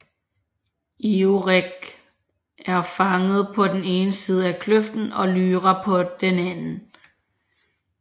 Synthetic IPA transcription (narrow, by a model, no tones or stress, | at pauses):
ioʁeɡ̥ | æɐfɑ̈ŋəð̩ˠpʰɒ̽d̥ene̝ːnəsiːð̞ˠəækʰløfd̥n̩ɒ̽lyːʁɐpʰɒ̽d̥enænn̩